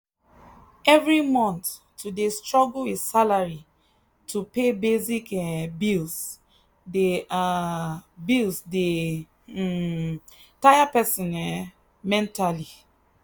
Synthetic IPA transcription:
ɛvɹimɔ̃nt̪ː | udestɹɔɡlwesalaɹi | tʰupebezikɛbils | dea | bilsde | tajapɛsɔ̃nɛ | mɛ̃ntali

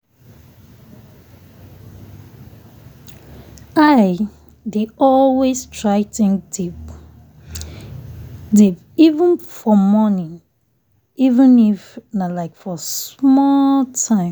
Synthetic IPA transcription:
aɪ | deɔlwestʰɹaɪtĩŋdip | dib | ivə̃nfɔmɔnĩn | ivə̃nifnalaɪkfɔsmɔltʰãɪ̃

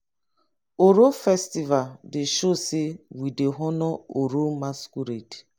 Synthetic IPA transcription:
oɾofɛstivaldɪʃosɪwideɦɔnɔoɾomaskuɾet

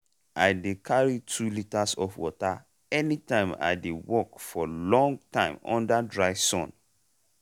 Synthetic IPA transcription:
a̰ɪdekʰaɹitʰulitasɔfwɔta | ɛnitãɪ̃ma̰ɪdewɔkfɔlɔ̃ŋɡtãɪ̃mɔ̰̃ndadɹaɪsɔ̰̃n

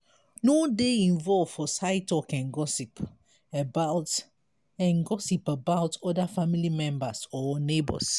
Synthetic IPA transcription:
nodeĩnvɔlvfɔsaɪtɔkɛ̃nɡɔsip | əbat | ɛ̃nɡɔsipəbawtɔdafamilimɛ̃mbasɔnebɔ̰s

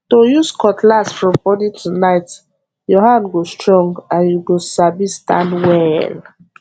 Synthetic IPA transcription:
tojuskɔtlasfɹɔ̃mbɔditʰunaɪt | jɔhãndɡostɹɔ̃ŋɡãnjuɡosabistã̰ndwɛl

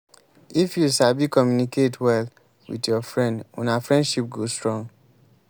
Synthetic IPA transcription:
ifjusabikɔmjuniketʰwɛl | wḭdjɔfɹɛ̃ndɔ̰̃nafɹɛ̃ndʃip̚ɡostɹɔ̃ŋɡ

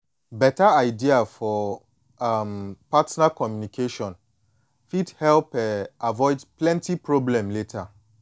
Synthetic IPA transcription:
bɛtaaɪdiafɔ | ampatnakɔmjunikʰeʃɔ̃n | fidhɛlpɛavɔɪdplɛ̃ntipʰɹoblɛ̃mletʰa

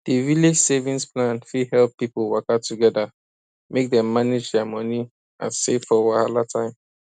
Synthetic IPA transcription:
d̥iviled͡ʒsevĩnsplãnfihɛlˠpːipolwɔkatuɡɛda | mek̚dɛ̃mːaned͡ʒdɛmʌni | ʔã̰nseffɔwahalatʰãɪ̃m

